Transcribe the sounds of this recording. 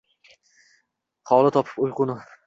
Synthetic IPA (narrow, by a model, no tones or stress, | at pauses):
χʰɒlˠɪt̪ʰɒpʰɪ̥pʊjqʊnɪ